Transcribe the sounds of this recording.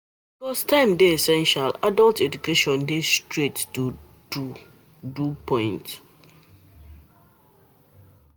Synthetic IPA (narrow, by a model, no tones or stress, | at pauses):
bikɔstãɪ̃mdeesɛ̃nʃaladaltedukeʃɔ̃ndestɹettu | du | dupʰɔ̃ɪ̃nt